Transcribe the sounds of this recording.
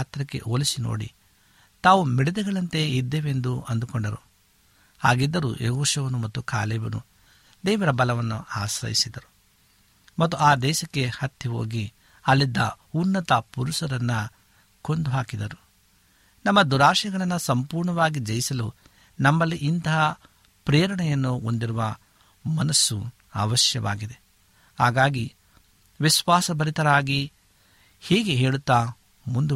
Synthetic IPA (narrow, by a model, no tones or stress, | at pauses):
t̪ɾɐkːe̞̰ʔo̰ːlisino̰ːɽḭ | t̪aːʋumiɽɛd̪ɐɡɐɭɐnt̪e̞id̪ːeːʋend̪uɐnd̪ukɔɳɖɐɾu | haːɡid̪ːɐɾṵʔeɦoːʂɐʋɐnumɐt̪ːukʰa̰ːleːbɐnṵ | d̪ɛːʋɐɾɐbɐlɐʋɐnːuaːsɾɐ̰jisid̪ɐɾu | mɐt̪ːuaːd̪ɛːʃɐkːe̞hɐt̪ʰːiɦo̞̰ːɡi | ɐlːid̪ːɐunːɐt̪ɐpuɾusɐɾɐnːɐ | kond̪uɦaːkid̪ɐɾu | nɐmːɐd̪uɾaːʂɐɡɐɭɐnːɐsɐmpuːɾɳɐʋaːɡid͡ʒɐjisɐlu | nɐmːɐlːiʔint̪ɐɦɐ | pɾɛːɾɐɳɛjɐnːuond̪iɾuʋɐ | mɐnɐsːṵ | a̰ːʋɐʃjɐʋa̰ːɡid̪e̞ | haːɡaːɡi | ʋiʃʋaːsɐbɐɾit̪ɐɾaːɡi | hɛːɡeɦeːɭut̪ːaː | mund̪u